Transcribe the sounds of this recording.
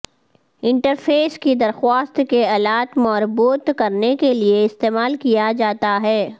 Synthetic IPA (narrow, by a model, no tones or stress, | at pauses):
ɪ̃ɳʈəɾfʰeːskid̪ɐɾxwaːst̪keɐlaːt̪mɔːɾbuːt̪kɐɾnekelieɪst̪eːmaːlkijad͡ʒaːt̪aɦɛː